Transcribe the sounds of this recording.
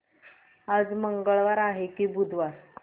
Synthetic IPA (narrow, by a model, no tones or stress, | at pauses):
ad͡zməŋɡəɭʋaɾaɦekiːbud̪ʋaɾ